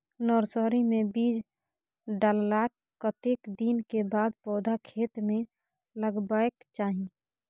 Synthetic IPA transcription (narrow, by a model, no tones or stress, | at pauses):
nɔːɾsɔɾimẽbiːd͡ʒ | ɖallaːkːət̪ekd̪inkebaːd̪pɔːd̪ʱakʰeːt̪mẽ | ləɡbaːekt͡ʃaːɦĩ